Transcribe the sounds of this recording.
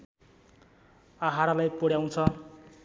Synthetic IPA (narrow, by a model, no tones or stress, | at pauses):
aɦaɾalajpoɽjaw̃t͡sʰʌ